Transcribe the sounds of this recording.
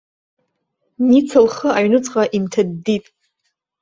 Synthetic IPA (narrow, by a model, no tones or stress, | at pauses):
nit͡sʰɨlχəaɥnɨt͡sʼqʼaʔimtʰadːitʼ